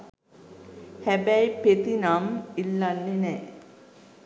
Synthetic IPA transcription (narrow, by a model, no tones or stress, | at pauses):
hæbæjpet̪inamilːanːenɛː